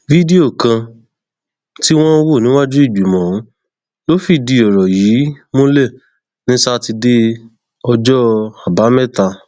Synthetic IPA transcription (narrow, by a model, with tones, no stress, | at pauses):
vi˦di˦o˦˨kã˧ | ti˦w̃ɔ̃˦wo˦˨nĩ˨˦wa˦d͡ʒu˦i˦˨ɡ͡bu˨mɔ̃˨ũ˨˦ | lo˦fi˦˨di˧ɔ˨ɾɔ˨jiː˨˦mo˦le˦˨ | nĩ˦sa˧ti˧de˦ | ɔ˧d͡ʒɔ˦a˨ba˨˦mɛ˦˨ta˧